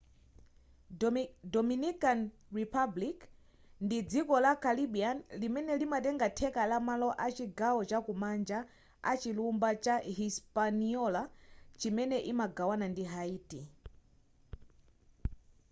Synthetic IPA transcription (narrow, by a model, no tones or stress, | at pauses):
dɔminikan | ɹipʰablik | ndid͡zikɔlakaliɓianlimɛnɛlimatɛŋɡatʰɛkalamalɔʔat͡ʃiɡawɔt͡ʃakumand͡ʒa | a̰t͡ʃilumbat͡ʃaɦispaniɔlat͡ʃimɛnɛʔimaɡawanandiɦaiːti